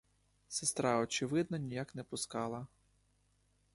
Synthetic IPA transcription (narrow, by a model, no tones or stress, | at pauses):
sɪst̪ɾɑɔt͡ʃɪʋɪd̪nɔnʲijaknɛpʊskɑlˠɐ